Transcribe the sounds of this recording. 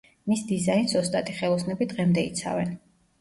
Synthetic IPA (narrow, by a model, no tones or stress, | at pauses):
misd̪izainsɔst̪ʼat̪ʼiχɛlˠɔsnɛbid̪ʁɛmd̪ɛḭt̪sʰa̰vɛn